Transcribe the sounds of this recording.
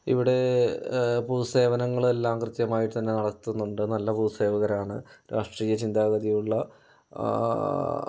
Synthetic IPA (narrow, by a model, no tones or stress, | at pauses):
ḭʋiɽe̞ | puːse̞ːʋɐnɐŋːɐɭe̞lːaːmkrɨt̪jɐmaːjiʈːɨt̪ɐnːe̞nɐɽɐt̪ːunːuɳɖɨnɐlːɐpuːse̞ːʋɐɣɐɾaːɳɨɾaːʂʈriːjɐt͡ɕind̪aːɣɐðijuɭːɐ